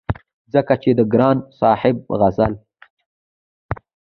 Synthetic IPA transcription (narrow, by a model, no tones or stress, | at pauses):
zəkat͡ʃed̪əɡɾɑːnsɑːħɪb̚ɣazal